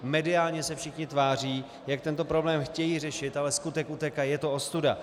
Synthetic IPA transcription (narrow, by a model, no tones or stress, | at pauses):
mɛdɪaːlɲɛsɛfʃɪxɲɪt̪vaːriː | jak̚t̪ɛnt̪o̞pɾo̞blɛːmxcɛjiːr̝ɛʃɪt̪alɛskut̪ɛkut̪ɛkajɛt̪o̞ost̪uda